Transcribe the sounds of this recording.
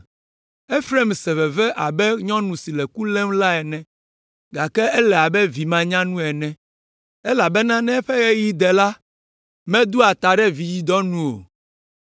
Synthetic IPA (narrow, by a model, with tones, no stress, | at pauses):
e˦fɾe˦˨msɛ˨vɛ˨vɛ˦ʔa˨bɛ˦ɲɔ̃˦nũ˨si˨lɛ˨ku˦lɛ˦mla˦ɛ˨nɛ̃˨ | ɡa˨kɛ˦ɛ˦lɛ˨a˨bɛ˦vi˨mã˨ɲã˦nũ˦ɛ˨nɛ̃˨ | ɛ˦la˨bɛ˦nã˦nɛ̃˦ɛ˦ɸɛ˦ɣe˦ji˦d̪ɛ˨la˦ | mɛ̃˦d̪u˦a˨t̪a˨ɖɛ˦vi˨ji˨d̪ɔ˦nũ˦o̰˨